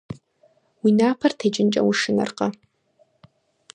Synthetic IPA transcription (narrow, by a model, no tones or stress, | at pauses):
winaːpʰartʰed͡ʒʼɪnt͡ʃʼɐ̰wuʂɨna̰rqʼa